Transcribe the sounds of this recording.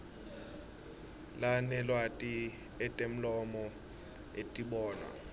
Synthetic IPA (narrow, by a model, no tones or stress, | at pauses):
lanɛlwatʼi | ɛtʼem̩lɔmɔ | etʼiɓɔːna̰